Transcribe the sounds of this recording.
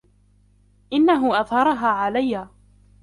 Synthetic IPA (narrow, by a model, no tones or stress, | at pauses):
ʔɪnːaɦʊʔɑðˤhɑɾˤɑɦaːʕalajːaː